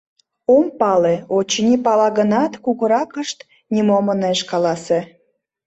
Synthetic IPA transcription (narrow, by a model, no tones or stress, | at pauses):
ompɑleot͡ɕnʲipɑlɑɣənɑt̪kuɣəɾɑkəʃt̪ | nʲimoməneeʃkɑlɑse